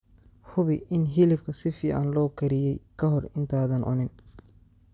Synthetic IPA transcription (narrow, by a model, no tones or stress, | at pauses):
hʊβɪʔɪnɦɪlɪbkʰɐsɪfɪʕa̰nlɔːkʰɐɾɪjɛjkʰɐɦɔrɪnt̪ʰaːðɐnʔʊ̰nɪn